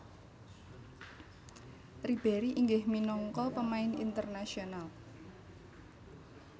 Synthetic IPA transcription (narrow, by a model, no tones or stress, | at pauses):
rib̥ɛɾiʔiŋɡɪhminɔŋkɔpəmaɪnḭnt̪ərnasional